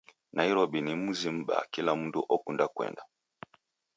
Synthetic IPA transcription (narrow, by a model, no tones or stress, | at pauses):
nʔaiɾɔɓinimuzim̩ɓa̰kilam̩dṵʔɔkundakwɛ̰nda